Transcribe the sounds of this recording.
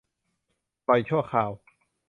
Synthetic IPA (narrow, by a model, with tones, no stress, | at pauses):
pɔ˧jt͡ɕʰu˥˩ɐkʰaː˨˩w